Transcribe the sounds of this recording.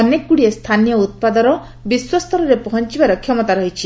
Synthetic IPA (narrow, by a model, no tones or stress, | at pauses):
ɔnekːuɽiest̪ʰanijɔut̪̚pad̪ɔɾɔ | biswɔst̪ʰɔɾɔɾepɔɦɔnt͡ʃibaɾɔkʰjɔmɔt̪aɾɔɦit͡ʃʰi